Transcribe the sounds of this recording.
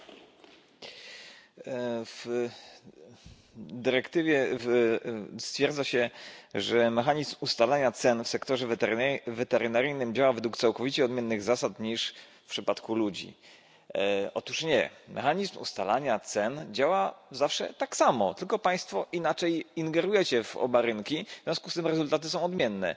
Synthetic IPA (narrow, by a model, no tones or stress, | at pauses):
v | d̪ɘɾɛkt̪ɘvʲjɛv | st̪fʲjɛɾd̪zaɕɛʐɛmɛxaɲizmust̪alaɲat̪sɛnfsɛkt̪ɔʐɛvɾvɛt̪ɛɾɘnaɾɘjnɘmd͡ʑawavɛd̪wuk̚t̪sawkɔvʲit͡ɕɛɔd̪mʲjɛnːɘɣzasat̪ɲiʂ | pʂɘpat̪kulud͡ʑḭ | ɔt̪uʂɲɛ̰mʔɛ̰xaɲizmṵst̪alaɲat̪sɛnd͡ʑawazafʂɛ̰t̪aksamɔt̪ɘlkɔpaj̃st̪fɔʔinat͡ʂɛjiŋɡɛɾujɛt͡ɕɛvɔ̰baɾɘŋkʲivzʲjɔ̃skust̪ɘmɾɛzult̪at̪̬ɘsɔ̃w̃ɔd̪mʲjɛnːɛ̰